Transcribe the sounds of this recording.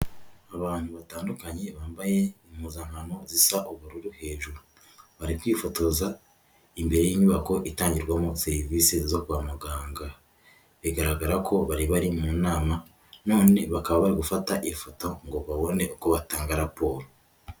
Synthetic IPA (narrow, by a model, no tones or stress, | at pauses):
aβaːn̥huβataːndukaɲe̞βaːmbaje̞imuzaŋhano̞zisaʔoβuɾuɾuhe̞ːʒuɾu | βaɾikwiːfo̞to̞za | imbe̞ɾe̞jiːɲuβako̞ʔitaːɲɟiɾɡwamo̞se̞ɾivise̞zo̞kuwaːmuɡaːŋɡa | βiɡaɾaɡaɾakʰo̞βaɾiβaɾimuːnaːma | no̞ːne̞βakaβaβaɾiɡufataʔifoto̞ŋɡo̞βaβo̞ne̞ukoβataːŋɡaɾapo̞ːɾo